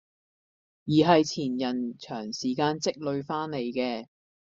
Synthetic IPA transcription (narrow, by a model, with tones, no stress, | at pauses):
jiː˨˩ɦɐ˨jt͡sʰiː˨˩njɐ˨˩nt͡ʃʰœː˨˩ŋsiː˨˩kaː˧nt͡sɪ˥k̚lɵ˧ɥfaː˥nne˨˧jkɛː˧